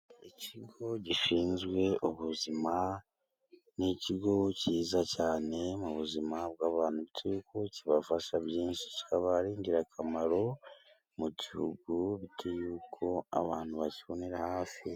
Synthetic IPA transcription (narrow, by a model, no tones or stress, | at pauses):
iciɡo̞ɟiʃiːnzɡwe̞uβuzima | niciɡo̞ciːzacaːne̞muβuzimab̚ɡaːβaːnuβitʰeuukʰociβafaʃaβjiːnʃi̥ciaβaɾiːɲɟiɾakʰamaɾo̞ | mucihṵɡuβitʰejuːkʰo̞a̰βaːn̥huβaciβo̞neɾahaːfi